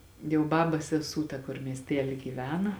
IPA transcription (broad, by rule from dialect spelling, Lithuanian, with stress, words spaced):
jɛʊ ˈbɑːbɐs sʲɛˈsuː ˈtɐ kʊr mʲiɛsʲˈtʲæːlʲiː ɡʲiːˈʋʲæːnɐ